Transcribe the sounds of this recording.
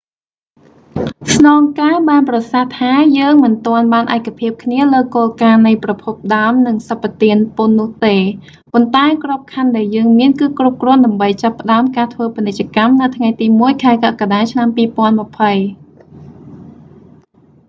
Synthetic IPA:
snɑːŋkaːɓaːnprɑsaht̪ʰaːjəːŋmɨnt̪oənɓaːnʔa̰ɛkʰːapʰiəp̚kʰniələːkoːlkaːnɨjprɑpʰup̚ɗaəmnɨŋsapːat̪iənponːʊ̆əht̪eː | pont̪aɛkrŏp̚kʰanɗaɛljəːŋmiənkɨːkrup̚krɔ̆ənɗaəmɓəjt͡ɕapːə̆ɗaəmkaːt̪ʰʋəːpinɨc̚t͡ɕăkamnɨwt̪ʰŋajt̪iːmuəjkʰaɛkakaɗaːt͡ɕʰnampiːpŏənmə̆pʰəj

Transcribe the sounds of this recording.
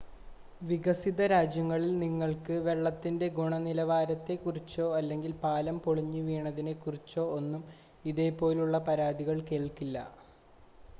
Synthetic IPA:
ʋiɡɐsiðɐɾaːd͡ʑjɐŋːɐɭilniŋːɐɭkɨʋe̞ɭːɐt̪ːinde̞ɡuɳɐnilɐʋaːɾɐt̪ːe̞kurit͡ɕːo̞ːɐlːe̞ŋɡilpaːlɐmpoɭiɲːɨʋiːɳɐðinekurit͡ɕːo̞ːonːum | iðe̞ːpːo̞ːluɭːɐpɐɾaːd̪iɣɐɭke̞ːɭkilːɐ̰

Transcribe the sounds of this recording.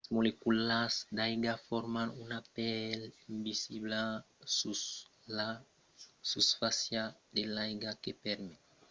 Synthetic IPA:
smolekulazd̪ajɡafoɾmanunapɛlimbisiβla | sula | susfasjad̪elajɡakepɛɾme

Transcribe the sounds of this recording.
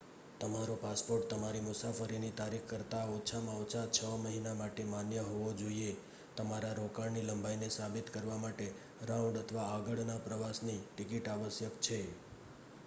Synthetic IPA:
t̪əmaɾopaspoɾʈ̚t̪əmaɾimʊsafəɾinit̪aɾikkəɾt̪aot͡ʃʰamãot͡ʃʰat͡ʃʰəməɦinamaʈemanjəɦoʋod͡ʒoie | t̪əmaɾaɾokaɽniləmbʱainesabit̪kəɾʋamaʈe | ɾaũɳɖət̪ʰʋaːɡəɭnapɾəʋasniʈikiʈaʋəsjəkt͡ʃʰe

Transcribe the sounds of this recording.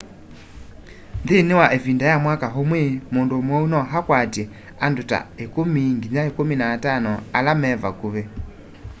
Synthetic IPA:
nd̪iniwaʔevindajamwakaɦomwemondomwɔunɔɦakwatɛ | anduta̰ekumiŋɡiɲaekuminaːtanɔalamɛva̰kuβɛ

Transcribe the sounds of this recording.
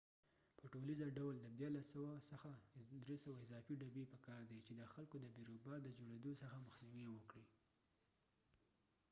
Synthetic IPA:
pəʈolizaɖawld̪ad̪jɑɾlasəwasəxad̪ɾesəwaɪzɑfiɖabepəkɑɾd̪et͡ʃed̪əxalkod̪əbiɾobɑd̪əd͡ʒoɽed̪osəxaməxniwiwəkɽi

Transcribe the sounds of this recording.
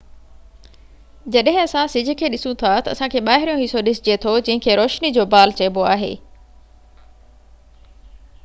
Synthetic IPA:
d͡ʑɐɗɦɪ̃ɐsãsɪd͡ʑʱʊ̆kʰeːɗɪsũt̪ʰat̪ɐɐ̰sãkʰeːɓaːɦɪɾijõɦɪsoɗɪsɪd͡ʑiet̪ʰod͡ʑɐ̃ɦɪ̃kʰeːɾoːʃnid͡ʑoːbaːlt͡ɕɐːboaːɦḛː

